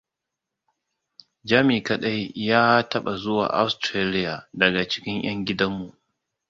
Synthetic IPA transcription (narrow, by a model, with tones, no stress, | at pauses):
d͡ʒaː˦miː˨kɐ˨ɗɐ˦jːaː˦tɐ˦ɓa˨zʊ˦wa̰ː˨ʔa̰˦wstɾeː˦lɪ˦ja˨dɐ˨ɡa˨t͡ʃɪ̥˦kʲɪ˦ŋj̰ɐ˦ŋɡʲɪ˦dɐ˦mːu˨ʔ